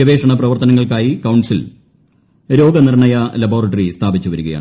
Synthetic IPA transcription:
ɐʋe̞ːʂɐɳɐp̬rɐʋɐrt̪ɐnɐŋːɐɭkaːjikɐwɳsil | ɾo̞ːɡɐnirɳɐjɐlɐbo̞ːrɐʈːɐrist̪ʰaːbit͡ɕːuʋɐɾuɣɐja̰ːɳ

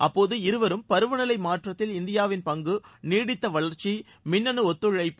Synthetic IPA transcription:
ʔɐpːoːðɯɪɾɯʋɐɾɯmpɐɾɯʋɐnɐlɐɪmaːʈrɐt̪ːɪlɪnd̪ɪjaːʋɪnpɐŋɡɯniːɽɪt̪ːɐʋɐɭɐɾt͡ʃi | mɪnːɐnɯɔt̪ːɯɻɐɪpː

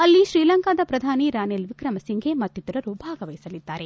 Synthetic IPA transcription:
ɐlːiʃɾiːlɐŋkaːd̪ɐpɾɐd̪ʱaːniɾaːnelʋikɾɐmɐsiŋɡʱemɐt̪ːit̪ɐɾɐɾubʱaːɡɐʋɐjisɐlid̪ːaːɾe

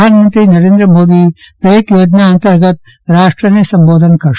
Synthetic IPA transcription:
aːnmɐnt̪ɾinɐɾeːnd̪ɾɐmoːd̪i | pɾɐekjoːd͡ʒnaɐnt̪ɐɾɡɐt̪ | ɾaːʂʈɾɐnesɐmboːd̪ʱɐnkɐɾ

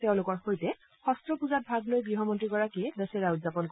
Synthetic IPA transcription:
tɛʊ̃lʊkɔɹxojtɛ | xɔstɹɔpuzat̚bʱaɡlojɡɹiɦɔmɔntɹiɡɔɹakiɛdɛsɛɹaʊtzapɔnk

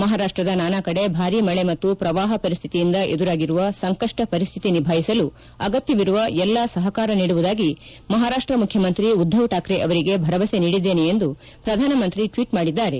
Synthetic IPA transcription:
mɐɦaːɾaːʂʈɾɐd̪ɐnaːnakɐɽe̞bʱaːɾimɐɭemɐt̪ːupɾɐʋaːɦɐpɐɾist̪ʰi̥t̪ijind̪ɐʔed̪uɾaːɡiɾuʋɐsɐŋkɐʂʈɐpɐɾist̪ʰit̪inibʱaːɦisɐlu | ɐɡɐt̪jɐʋiɾuʋɐɛlːasɐɦɐkaːɾɐniːɽuʋud̪aːɡi | mɐɦaːɾaːʂʈɾɐmukʰjɐmɐnt̪ɾiud̪ʱːɐʋʈaːkɾeʔɐʋɐɾiɡe̞bʱɐɾɐʋɐse̞niːɽid̪ːe̞ːneend̪u | pɾɐd̪ʱaːnɐmɐnt̪ɾiʈʋiːʈmaːɽid̪ːaːɾe̞

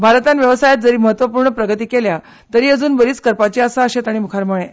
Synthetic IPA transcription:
bʱaɾt̪anʋjəʋəsajat̪̚d͡zəɾiːməɦət̪ʋəpuːɾɳəpɾəɡət̪iːkelja | t̪əɾiːəd͡zuːnbəɾiːt͡skəɾpat͡ɕiːasaəɕet̪aɽ̃imukʰaɾməɭẽ

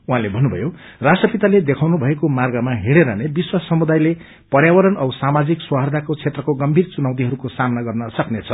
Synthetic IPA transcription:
uɦãlebʱʌnːubʱʌ̰jorasʈrʌpit̪aled̪ekʰawnubʱʌekomarɡʌmaɦiɽeɾʌnebiswasʌmud̪ajle | pʌrjawʌɾʌnʌsamad͡zikswaɦard̪ʱakot͡sʰet̪rʌkoɡʌmbʱirt͡sunaw̃t̪iɦʌɾukosamnaɡʌrnʌsʌknet͡sʰʌ

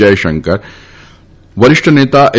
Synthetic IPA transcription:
ajʃɐŋkɐɾ | ʋɐɾɪʂʈʰɐneːt̪aːʔ

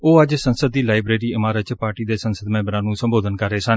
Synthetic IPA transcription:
oːəd͡ʒsənsəd̪̚ːiːlaːɪbɾeːɾiːɪmaːɾət̪t͡ʃpaːɾʈiːd̪eːsənsəd̪mɛ̃ːbɾãːnũːsəmboːd̪ənkəɾːeːsən

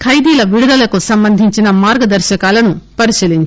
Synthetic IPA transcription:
kʰɐjd̪iːlɐʋiɽud̪ɐlɐkusɐmbɐnd̪ʱiɲt͡ʃinɐmaːɾɡɐd̪ɐɾʃɐkaːlɐnupɐɾiʃiːliɲt͡ʃ

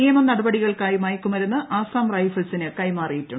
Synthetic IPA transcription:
ijɐmɐnɐɽɐbɐɽiɣɐɭkaːjmaːjkːumʋɐɾunːɐʔaːsaːmrɐjfɐlsinɨkɐjmaːrijitːuɳ

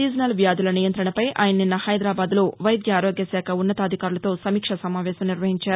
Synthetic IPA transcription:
iːd͡ʒnɐlʋjaːd̪ulɐnijɐnt̪ɾɐɳɐpɐjʔa̰ːjɐnɐninːɐhɐjd̪ɾaːbaːd̪lo̞ːʋɐjɐd̪jɐaːɾoːɡjɐsɛːkʰɐunːɐt̪aːd̪ʱikaːɾulɐt̪oːsɐmiːkʂɐsɐmaːʋɛːsɐmniɾʋɐɦiɲt͡ʃaːɾu

